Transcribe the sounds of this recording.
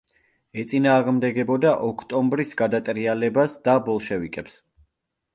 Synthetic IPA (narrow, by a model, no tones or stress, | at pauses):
ɛt̪sʼinaːʁmd̪ɛɡɛbɔd̪aʔɔkʰt̪ʼɔmbɾisɡad̪at̪ʼɾialɛbasd̪abɔlˠʃɛvikʼɛps